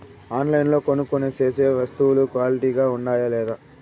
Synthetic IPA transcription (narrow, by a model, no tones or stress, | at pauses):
aːnlɐjnlo̞ːkonukonet͡ʃe̞ːse̞ːʋɐst̪uʋulukʋaːliʈiːɡaːuɳɖaːjɐlɛːd̪aː